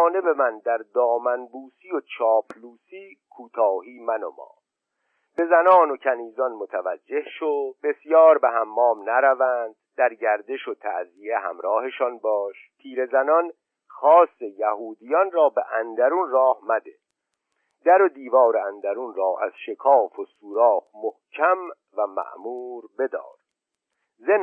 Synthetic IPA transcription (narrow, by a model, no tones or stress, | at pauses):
ne̞be̞mænd̪æɾd̪ɒːmænbuːsijot͡ʃʰɒːpʰluːsiːkʰuːt̪ʰɒːɦiːmæno̰mɒ̰ː | b̥e̞zænɒːno̞cʰæniːzɒnmot̪ʰævæd͡ʒːe̞hʃobe̞sjɒːɾbeɦæmːɒːmnæɾævænd̪̥d̪æɾɟæɾd̪e̞ʃot̪ʰæ̰ʔzie̞ɦæ̰mɾɒːhe̞ʃɒnbɒːʃpʰiːɾe̞zænɒn | xɒːse̞jæhuːd̪ijɒnrɒːbeʔænd̪æɾunrɒːhmæd̪e | d̪æɾo̞d̪iːvɒːɾeænd̪æɾunɾɒːʔæ̰z̥ʃe̞kʰɒːfosuːɾɒːfmohcʰæm | væmæ̰ʔmuːɾbe̞d̪ɒ̰ːɾ | zem